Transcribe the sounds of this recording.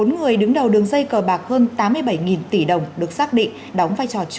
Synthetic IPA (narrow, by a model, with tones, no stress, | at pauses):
o˨˦nŋɨ˨˩əjɗɨ˨˦ŋɗə˨˩wɗɨ˨˩əŋzə˧jkəː˧˩ɓaː˨˩k̚həː˧nt̪aː˨˦mːɨ˧əjɓə˧˩jŋi˨˩nt̪i˧˩ɗə˨˩wŋ͡mɗɨ˨˩ək̚saː˦˥k̚ɗḭ˧˨ŋɗɔ˨˦wŋ͡mvaː˧jt͡ɕɔ˨˩t͡ɕ